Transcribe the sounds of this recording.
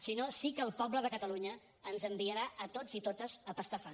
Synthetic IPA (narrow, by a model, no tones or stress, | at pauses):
sinosikəːlˠpɔbləðəkət̪əluɲəː | nzəmbiəɾaʔət̪od͡zit̪ot̪əzəpəst̪əfa